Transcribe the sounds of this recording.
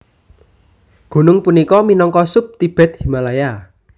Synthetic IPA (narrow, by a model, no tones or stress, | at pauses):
ɡ̥o̤nʊŋpunikɔminɔŋkɔsʊp̚t̪ib̥ɛ̤t̪̚himalaja